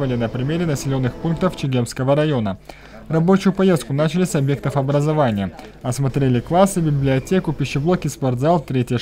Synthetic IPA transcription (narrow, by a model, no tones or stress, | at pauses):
vəlʲɪnəpɾʲɪmʲeɾʲɪnəsʲɪlʲo̞nːɨxpunk̚t̪əft͡ɕɪɡʲe̞mskəvəɾɐjo̞nə | rɐbo̞t͡ɕʊjʊpɐje̞st̪̚kʊnat͡ɕɪlʲɪsʲɐbje̞k̚t̪əfɐbɾəzɐvanʲɪjə | ɐsmɐt̪ɾʲelʲɪklˠasːɨbʲɪblʲɪɐtʲekʊpʲɪɕːɪblˠokʲɪsport̪zalˠt̪ɾʲetʲɪjə